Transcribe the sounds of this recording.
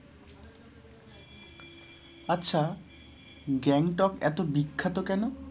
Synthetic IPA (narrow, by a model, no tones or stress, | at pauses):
atːɕʰa | ɡɛŋʈɔkɛ̰t̪obikʰːat̪okɛno